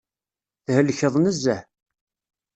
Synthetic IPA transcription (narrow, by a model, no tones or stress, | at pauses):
θhəlçəðˤnəzːæh